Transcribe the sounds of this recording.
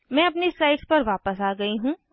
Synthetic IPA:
mɛ̃ɐpnisaːɪʈspɐɾʋaːpəsaːɡɐiɦũː

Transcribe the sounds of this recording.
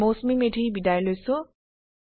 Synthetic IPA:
mosmimeʈʰibidajlojsu

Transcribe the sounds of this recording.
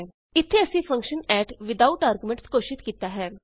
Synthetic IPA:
ɪt̪ʰːeəsĩːpʰə̃ŋkʃənɛːʈʋɪd̪auʈaːɾɡumẽɳʈskoːʃɪt̪kiːt̪aːɦɛː

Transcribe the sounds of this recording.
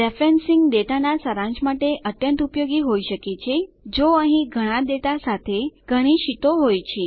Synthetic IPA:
ɖɛfɾensiŋɡɖeʈanasəɾãɲd͡ʒmaʈeʔəʈjənt̪upjoɡiɦoiʃəket͡ʃʰed͡ʒoəɦĩɡʱəɽ̃aɖeʈasat̪ʰeɡ̥ʱəɽ̃iʃit̪oɦojt͡ʃʰe

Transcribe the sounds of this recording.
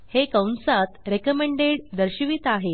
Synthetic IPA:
hekəwnsat̪ɾekəmeɳɖeɽd̪əɾɕiʋiːt̪aɦe

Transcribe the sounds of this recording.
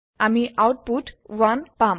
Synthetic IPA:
amiʔawʈ̚puʈʋanpam

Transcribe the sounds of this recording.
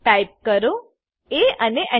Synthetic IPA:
ʈajp̚kəɾo | eəneʔə

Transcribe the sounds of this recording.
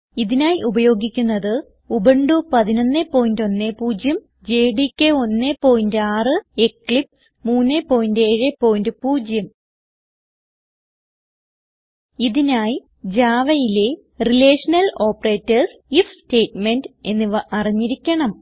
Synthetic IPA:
iðinaːjiʔubɐjo̞ːɡikʲːunːɐðɨ | ubɐɳɖupɐðino̞nːepːo̞ːjindo̞nːe̞puːd͡ʑjɐm | d͡ʑeːɖikʲːeo̞nːepːo̞ːjindɨaːrɨekːɭip | muːnːepːo̞ːjindɨe̞ːɻepːo̞ːjindɨpuːd͡ʑjɐm | iðinaːji | d͡ʑaːʋɐjile̞ | rileːʂɐnɐlo̞ːpːɐre̞ːtːɐrsifste̞ːtmende̞nːiɐriɲːiɾikʲːɐɳɐm

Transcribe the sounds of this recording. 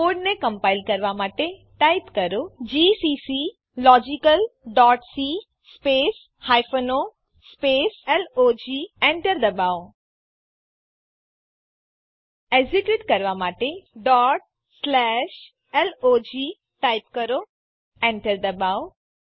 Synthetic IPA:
oːɖnẽkɐ̃mpaːɪlkɐɾʋamaːʈe | ʈaːɪpkɐɾod͡ʑiːsisi | lɔːd͡ʑikəlɖɔːʈsi | speːs | haːɪfono | speːsɛlod͡ʑiːẽɳʈəɾd̪ɐbaːo | eziʈjiʈkɐɾʋamaːʈeɖɔːʈ̚ | slɛːʃ | ɛlod͡ʑiː | ʈaːɪp̚kɐɾo | ẽɳʈəɾd̪ɐbaːo

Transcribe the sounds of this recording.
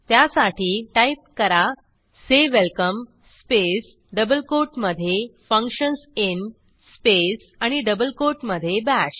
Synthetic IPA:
t̪jasaʈiːʈaip̚kəɾa | seʋelkəm | spes | ɖəbəlkoɾʈməd̪ʱːjefə̃ŋkɕənsin | spes | aɽ̃iɖəbəlkoɾʈməd̪ʱːjebæɕ

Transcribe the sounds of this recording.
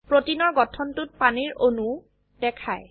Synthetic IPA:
pɹotinɔɹɡɔtʰɔntʊt̚paniɹonu | d̥ɛkʰaj

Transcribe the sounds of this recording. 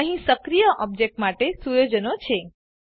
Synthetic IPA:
əɦĩsəkɾijəʔɔb̚d͡ʒek̚ʈmaʈesujod͡ʒənot͡ʃʰe

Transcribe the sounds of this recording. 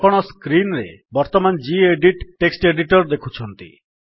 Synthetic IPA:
ɔɽ̃ɔskɾinɾebɔɾt̪ɔmand͡ʒieɖiʈʈːeksʈeɖiʈɔɾd̪ekʰut͡ʃʰɔnt̪ḭ

